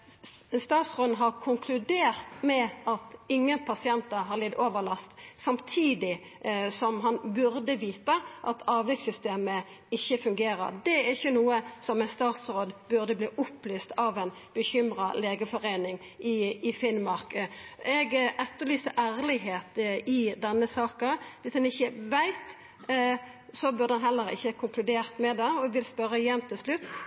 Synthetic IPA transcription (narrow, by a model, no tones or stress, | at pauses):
st̪ɑːt̪sʁoːd̪n̩ɦɑɾkʰʊŋkʰlʉd̪eːʁt̪mɛɑt̪ɪŋːənpʰɑsɪɛnt̪əɦɑʁlɪd̪oːʋəlɑst̪sɑmt̪ʰiːd̪ɪ | sɔmɦɑnbʉɾd̪əʋiːt̪əʔɑt̪ʰɑːʋʋɛksʏst̪eːmə | ɪçːəfʉŋɡeːɾə̰ɾd̪ɛæɾɪçːənuːəsɔmɛnst̪ɑːt̪sɾoːd̪bʉʁd̪əbliːʔʊplyːst̪ɑʋæɪn | b̥əçʏmɾɑleːɡəfɔɾeːnɪŋ | ʔɪɪfɪnmɑɾkɛɡʔɛt̪ːəlyːsəɾʔæːɾlɪɦeːt̪ɪd̪ɛnːəsɑːkəʋɪsd̪ɛnɪçːəʋæɪt̪ | sɔbʉʁd̪əɛnɦɛlːəɾɪ̰çːəkʰʊŋklʉd̪eːʁt̪mɛd̪ɑɔɛɡʋɪlspœɾəɪjɛnt̪ʰɪlslʉt̪ː